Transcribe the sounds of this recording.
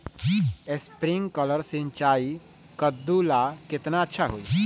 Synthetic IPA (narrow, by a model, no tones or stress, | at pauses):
ɪspɾɪ̃ŋɡkələɾsɪ̃nt͡ʃaːi | kəd̪ːulakɪt̪naətːʃʰaɦoi